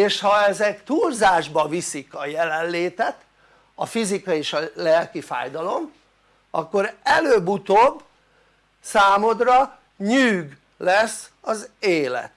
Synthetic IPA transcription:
eːʃhɒɛzɛkt̪uːlzaːʒbɒvisikɒjɛlɛlleːt̪ɛt̪ | ɒfizikɒeːʃɒlɛlkifa̰ːjd̪ɒlo̞m | ɒkːo̞ɾɛløːbut̪oːbː | saːmod̪rɒ | ɲyːɡ | lɛsɒzeːlɛ̰t̪

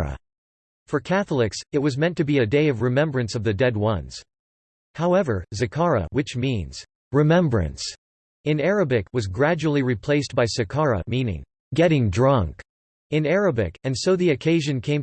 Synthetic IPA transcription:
ə̰ | fə˞kʰæθl̩ˠɪksɨt̚wʌzmɛ̃ntʰɨbiɨdeɪʌvɹɨmɛ̃mbɹɨ̃nsʌvðɨdɛd̚wʌ̃nz̥ | haʊɛvə˞zɨkʰɑɹə̰wɨt͡ʃmĩnz̥ | ɹɨmɛ̃mbɹɨ̰̃ns | ɨ̃nɹɨbɪkwʌzɡɹæd͡ʒul̩ˠiɹipʰl̥eɪsb̥aɪsɨkʰɑɹɨ̰mĩnɪ̰̃ŋ | ɡɛɾɪ̃ŋdɹʌ̃ŋk | ɨ̃nɛɹɨbɪkɨ̃nsoʊðiɨkʰeɪʒɨ̃nkʰẽɪ̃m

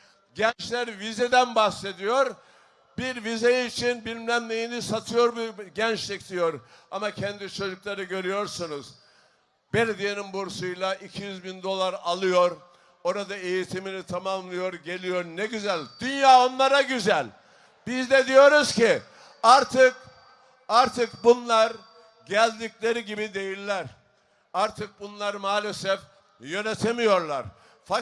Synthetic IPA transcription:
ɟɛnt͡ʃlʲæɾvized̪ænbaxse̞d̪ijo̞ɾ | biɾvizejiːt͡ʃʰinbilʲmlʲæmlʲejinisat̪ʰɯjo̞ɾbuɟɛnt͡ʃlʲicd̪ijo̞ɾamacʰɛnd̪it͡ʃʰo̞d͡ʒuklˠaɾɯɟø̞ɾyjo̞ɾsunuz̥ | belʲed̪ijeninbuɾsujlˠaʔicʰijyzbind̪o̞lˠaɾalˠɯjo̞ɾ | o̞ɾad̪ae̞jit̪ʰiminit̪ʰamamlˠɯjo̞ɾɟe̞lʲijo̞ɾnɛɟyzælʲd̪̥ynjaːo̞nlˠaɾaɟyzælʲ | bizd̪ɛd̪ijo̞ɾuzci | aɾt̪ʰɯk | aɾt̪ʰɯkbunlˠaɾ | ɟælʲd̪iclʲe̞ɾiɟibid̪e̞jilʲːæɾ | aɾt̪ʰɯk̚bunlˠaɾmaːlʲesɛf | jø̞net̪ʰemijo̞ɾlˠa̰ɾ | fa

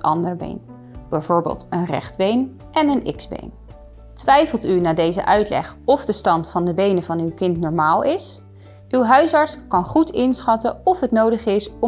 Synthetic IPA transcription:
ʔɑ̰ndəɹbḛjn | b̥ɛjvoːɹbḛːlˠtənrɛ̰χd̚bejn | ʔɛnənɪ̰kzbḛjn | tʋɛjfəlˠtynaːdejzə̰ʔœɥtlɛ̰χɔfdəstɑntfɑndəbejnəvɑnywkɪntnɔɹmaːlˠɪs | ywɦœɥsɑɹtskɑnχutɪnsχɑtəɔfɦətnowdəχɪsɔ

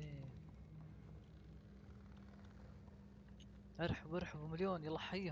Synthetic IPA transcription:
eː | ʔɑɾˤħʊbɑɾˤħʊbmɪljoːnjlɑħːiː

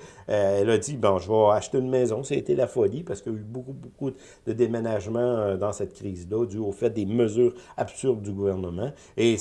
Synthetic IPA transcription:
ɛlad̪d͡z̪ibɔ̃ʒəvʌaʃt̪eynmɛːzɔ̃sɛet̪elafɔlipaʁsəkjaybokuboku | d̪əd̪emenaʒmɑ̃ød̪ɑ̃sɛt̪̚kʲʁiːzlʌd̪yofɛt̪̚d̪eməzyːʁapsyʁd̪̚d̪yɡuvɛʁnəmɑ̃ | e

